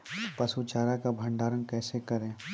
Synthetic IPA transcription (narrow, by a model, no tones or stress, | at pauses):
pɐsut͡ʃaːɾakabʱɐ̃ɳɖaːɾənkɛːsekɐɾẽː